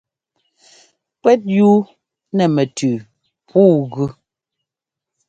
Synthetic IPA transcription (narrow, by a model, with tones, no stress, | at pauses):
kwɛ˦t̚ju˦ | nɛ˨mɛ˨tʰʉː˨ | pʰuː˦˨ɣʉ˦